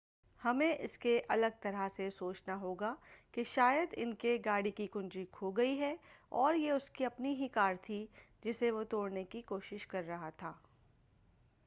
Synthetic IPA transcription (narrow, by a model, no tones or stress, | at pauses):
hɐmẽʔɪskeʔɐləɡ̚t̪ɐɾasesoːt͡ʃnaɦoːɡakeʃaːjəd̪ɪnkeɡaːɽikikʊ̃nd͡ʒikʰoɡɐiɦɛɔːɾjeʊskiɐpniɦikaːɾt̪ʰi | d͡ʒɪseʋot̪oːɽnekikoːʃɪʃkɐɾːɐɦat̪ʰaː